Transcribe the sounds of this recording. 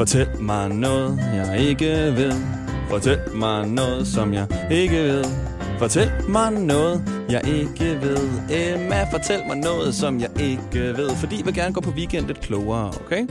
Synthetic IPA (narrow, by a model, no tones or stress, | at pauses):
fɒt͡sʰel̰mɑ̈ɪnɔ̽ːð̩ˠjɑ̈ɪe̝ɡ̥əʋe̝ð̰ˠ | fɒt͡sʰel̰mɑ̈ɪnɔ̽ːð̞̩ˠsɒ̽mjɑ̈ɪe̝ɡ̥əʋe̝ð̰ˠ | fɒt͡sʰel̰mɑ̈ɪnɔ̽ːð̞̩ˠjɑ̈ɪʔe̝ɡ̥əʋe̝ð̰ˠemæfɒ̽t͡sʰel̰mɑ̈ɪnɔ̽ːð̩ˠsɒ̽mjɑ̈ɪʔe̝ɡ̥əʋe̝ð̞̰ˠfɒ̽d̥ḭːjɑʋe̝lɡ̥æɐnəɡɔ̰ːpʰɒ̽ʋikʰen̰d̥əð̩ˠkʰloːɐːokʰeɪ